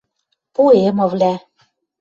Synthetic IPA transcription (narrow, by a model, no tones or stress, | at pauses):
puemɤ̆vlæ